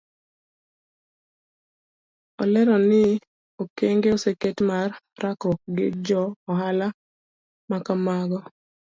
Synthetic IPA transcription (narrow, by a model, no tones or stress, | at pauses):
ɔlɛɾɔnɪ | okeŋɡeoseketmarː | akɔɡɪd͡ʒɔɔhala | makamaɡɔ